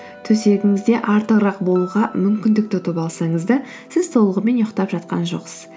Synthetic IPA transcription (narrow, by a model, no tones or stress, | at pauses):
t̪ʰɵse̞ɡʲɪŋɪzd̪e̞ʔɑɾt̪əʁɾɑq̚bo̞lˠuʁɑmʏmkʲɪnd̪ɪkt̪ɪt̪opɑlˠsɑɴəzd̪ɑ | sɪz̥t̪ʰo̞lˠəʁəme̞njoqt̪ɑpʒɑt̪̚qɑ̰nʒo̞̰qsə̥z̥